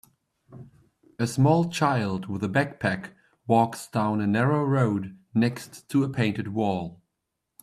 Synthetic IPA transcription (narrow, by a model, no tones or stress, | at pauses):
ɨsmɔlˠt͡ʃʰaɪlˠd̚wɨðəbæk̚pʰæk | wɔksd̥ãʊ̃nɨnɛɹoʊɹoʊdⁿnɛkstʰːəəpʰẽɪ̃ntɨd̚wɔlˠ